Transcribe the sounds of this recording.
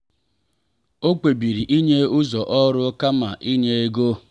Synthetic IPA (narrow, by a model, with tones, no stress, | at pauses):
o˦k͡pe˨bi˨ɾi˨ʔi˦ɲe˦ʊ˦zɔ˨ʔɔ˦ɾʊ˦ka˦ma˨ʔi˦ɲe˦e˦ɡo˦